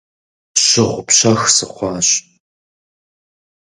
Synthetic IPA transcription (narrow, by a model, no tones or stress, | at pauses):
ɕɪʁʷʊpɕɐxsɨχʷɑːɕ